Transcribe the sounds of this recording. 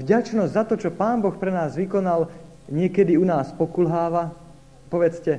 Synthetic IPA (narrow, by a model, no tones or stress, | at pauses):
vɟat͡ʃnɔzzat̪ɔt͡ʃɔpaːnbɔxpɾɛnaːzʋikɔnal | ɲɪɛkɛd̪iunaːspɔkulɦaːʋa | pɔʋɛt͡scɛ